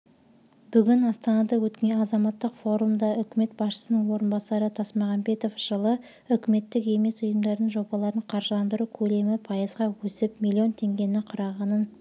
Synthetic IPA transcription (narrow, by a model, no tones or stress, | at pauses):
b̥ʏɡʲɪnɑst̪ɑnɑd̪ɑwɵt̪kʲeɑzɑmɑt̪ːəqfo̞ɾumd̪ɑʔʏkʲɪme̞t̪̚bɑsʃə̥sənəɴwo̞ɾənbɑsɑɾət̪ʰɑsmɑʁɑnbe̞t̪o̞fʒ̥əlˠə | ʏkʲɪme̞t̪ːɪke̞me̞sʊjəmd̪ɑɾd̪əɴʒo̞bɑlˠɑɾəɴqʰɑɾʒəlˠɑnd̪əɾukʲʰɵle̞mɪpʰɑjəzʁɑwɵsɪpmʲilʲːio̞nt̪ʰe̞ŋɡʲe̞nɪɴqʰʊɾɑʁɑnən